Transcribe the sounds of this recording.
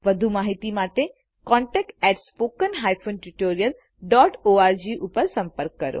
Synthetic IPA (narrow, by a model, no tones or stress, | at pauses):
ʋɐd̪ʱumaːɦit̪imaːt̪e | kɔ̃ːɳʈɛːk̚ʈɛʈspoːkənɦaːjpʰoːnʈuʈoːɾijəl | ɖɔːʈoːaːɾd͡ʑiʔupəɾsɐ̃mpəɾkːɐɾo̰